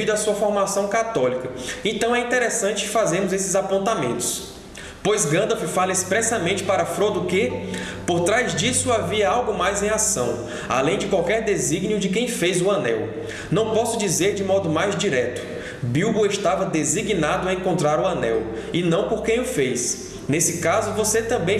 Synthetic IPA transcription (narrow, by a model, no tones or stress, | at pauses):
id̪ɐsuɐfoɾmasɐ̃w̃kat̪ɔlikɐẽnt̪ɐ̃w̃ɛĩnt̪eɾesɐ̃nt͡ʃɪ̥kɪfazẽmʊzesɪzapõnt̪amḛ̃nt̪ʊ̥s | pojzɡɐ̃d̪ofɪfalɐespɾɛsɐmẽnt͡ʃɪ̥paɾɐfɾod̪ʊkɪpoɾt̪ɾajzd͡ʒisʊaviɐawɡʊmajzẽj̃asɐ̰̃w̃ | a̰lẽj̃d͡ʒɪkwawkɛɾd̪eziɡniʊd͡ʒɪkẽj̃fejzʊɐnɛ̰w | nɐ̃w̃pɔsʊd͡ʒizeɾd͡ʒɪmɔd̪ʊmajzd͡ʒiɾɛt̪ʊ̥ | biwboeʃt̪avɐd̪eziɡnad̪ʊaẽkõnt̪ɾaɾʊɐ̃nɛ̰w | ɪnɐ̃w̃poɾkẽj̃ʊfejs | nesɪkazʊvoset̪ɐ̃mbẽj̃